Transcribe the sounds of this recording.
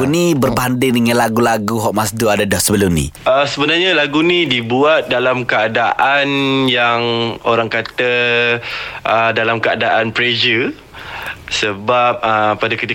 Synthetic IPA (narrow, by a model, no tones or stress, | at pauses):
unibərbandɪŋdəŋãnlaɡulaɡuɦɔʔ̚masduadadahsəbəlʊmnḭ̃əsəbənarɲalaɡunĩdibuat̪̚dalamkəadaʔanjaŋoɾaŋkat̪ə | ʔədalamkəa̰daʔanpɾed͡ʒə | səbap̚əːadakət̪i